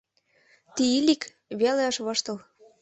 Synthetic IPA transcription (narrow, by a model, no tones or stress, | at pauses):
t̪iilik | βeleɤʃβɤ̆ʃt̪ɤ̆l